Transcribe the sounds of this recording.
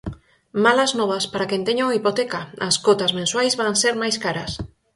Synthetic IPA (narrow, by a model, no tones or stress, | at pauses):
malaznɔβ̞aspaɾakent̪eɲoŋipot̪ekaaskot̪azmẽnswajzβanseɾmajskaɾɐs